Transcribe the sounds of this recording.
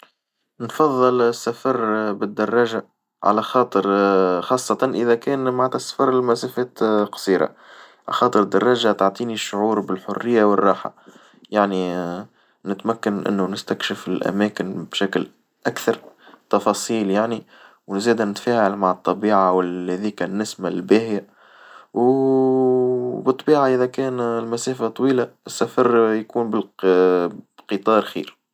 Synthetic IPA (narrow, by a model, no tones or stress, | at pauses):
nfɑðˤːɨlɪsːafɑɾˤbɪd̪ːɑrˤːɑːʒa | ʕa̰læxɑːt̪ˤəɾxɑːsˤːɑt̪ɑnʔɪðækɛːnmaʕt̪asfɑɾˤɪlmæsæfɛːt̪qɑ̥sˤiːɾa̰ | xɑːt̪ˤəɾd̪ːɑrˤːɑːʒat̪ɑʕt̪ˤiːniʃːʊʕuːɾbɪlħʊrːɪjːawɪrˤːɑːħa̰ | jaʕni | nɪt̪mækːanʔɪ̰nːunɪst̪ækʃɪfɪlʔæ̰mæːkɪnbʃækl | ʔækθɑɾˤt̪ɑfɑːsˤiːljaʕni | wnzɛːd̪anɪt̪fæːʕalmaʕət̪ˤːɑbiːʕawɪhɛðiːkanːɪsmalbæːhɪja | w | bɨt̪ˤːbiːʕaʔɪðækɛːnlmæsæːfat̪ˤwiːlaɪsːæfɑɾˤjkuːnbɪl | bqɨt̪ˤɑːɾˤxḭːɾ